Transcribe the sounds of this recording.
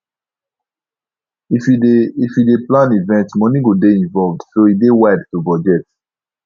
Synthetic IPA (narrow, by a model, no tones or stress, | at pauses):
ififideplãnivɛ̃ntmɔnĩɡodeĩnvɔlvdsoidewajdtubɔd͡ʒɛt